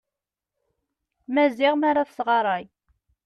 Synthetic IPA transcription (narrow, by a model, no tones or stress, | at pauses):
mæzɪʁmaɾˤafsʁɑɾˤɑj